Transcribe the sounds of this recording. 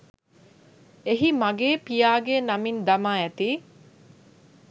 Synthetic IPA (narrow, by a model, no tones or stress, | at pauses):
eɦimɐɡeːpijaːɡeːnɐmind̪ɐmaːɛt̪iː